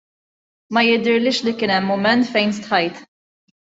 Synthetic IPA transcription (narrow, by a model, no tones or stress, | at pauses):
mɐjɪd̪ɪɾlɪːʃlikɪːnɛmːʊmɛnt̪fɛjnst̪ħɐjt̪